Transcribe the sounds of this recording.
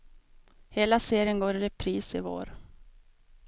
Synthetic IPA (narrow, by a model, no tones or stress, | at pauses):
heːlaseːɾɪənɡoːɾɾɛpʰɾiːsɪ̰vo̰ːɾ